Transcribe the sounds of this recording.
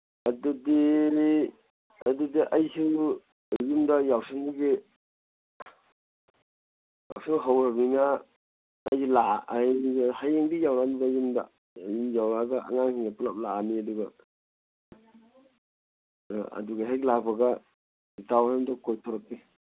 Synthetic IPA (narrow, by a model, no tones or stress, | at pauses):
ɐdudi | ɐdudiʔajsu | jumdajawsiŋiɡe | ja̰wsiŋɦawɾabiŋaː | jsulaajnihajeŋdijawnanidajumda̰ | jijawɾaɡaa̰ŋaŋhiŋapulap̚laaniɐduɡa | ɐ̰duɡaɦajklabaɡa | ditawsemdakojtʰɔɾak̚pi